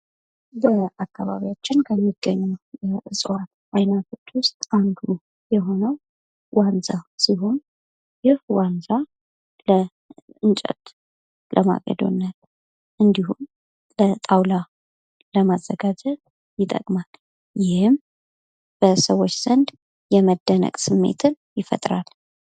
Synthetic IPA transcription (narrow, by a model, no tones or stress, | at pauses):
bəʔakːaβa̰βijat͡ʃːɪnkʰəmːiɡ̥əɲːujʔɨsʼwat̪ʔajnat̪ʰot̪ːwʊst̪ʼand̪u | jɛɦo̞nəw | wanzasiɦon | jɪhwanza | lə | ɨnt͡ʃʼɛ̰t̪ | lʔəma̰ɡʼə̰d̪o̰nːat̪ | ʔɨnd̪ihum | lət̪ʼawla | ləmazːəɡad͡ʒət | jɪt̪ʼə̰kʼmal | jɪhɨm | b̥əsəwot͡ʃːz̥ənd̪ | jɛməd̪ːənə̰kʼsɨmːḛt̪ʰɨnjɪfə̰t̪ʼɾal